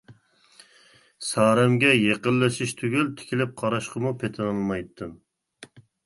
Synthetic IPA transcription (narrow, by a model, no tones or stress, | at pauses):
sɑːɾɛmɡʲɛjeqəlːɨʃiʃt̪ʰyɡʲilt̪ʰɪ̥kʲʰilɪp̚qʰɑɾɑʃqəmupʰet̪ʰɨnɨlˠmɑjt̪ʰːɨm